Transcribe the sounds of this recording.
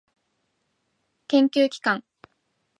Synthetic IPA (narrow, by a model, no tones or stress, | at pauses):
kẽ̞ŋkʲɨːkʲi̥kãŋ